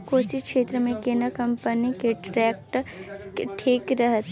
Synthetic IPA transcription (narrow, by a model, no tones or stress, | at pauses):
koːsikʃeːt̪ɾəmẽkeːnəkɐmpənikeʈɾɛːk̚ʈ | ʈʰeːkɾəɦt̪